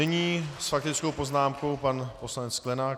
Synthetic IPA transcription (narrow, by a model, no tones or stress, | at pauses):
ɛɲiːsfak̚t̪ɪt͡skowpo̞znaːmko̞wpanpo̞slaɲɛt͡sklɛnaː